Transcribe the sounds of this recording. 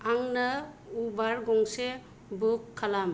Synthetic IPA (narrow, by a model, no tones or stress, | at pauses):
aŋnə | ubaɾɡɔŋse | bukʰːalam